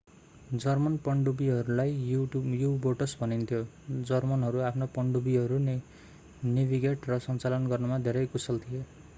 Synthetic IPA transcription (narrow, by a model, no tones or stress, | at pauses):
d͡zʌrmʌnpʌɳɖubiɦʌɾulajujuboʈʌsbʱʌnint̪ʰjo | d͡zʌrmʌnɦʌɾuapʰnopʌɳɖubiɦʌɾun | nibʱiɡeʈrʌsʌnt͡salʌnɡʌrnumad̪ʱeɾʌjkusʌlt̪ʰije